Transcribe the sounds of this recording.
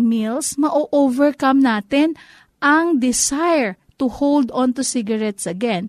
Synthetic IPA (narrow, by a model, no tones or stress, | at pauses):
milsmɐʔoʔovɛɹkɐmnaːt̪ɪn | ʔɐŋd̪ɪsajɛɹ | t̪uhowld̪ɔ̃nt̪usɪɡɐɹɛt̪sɐɡɛ̃n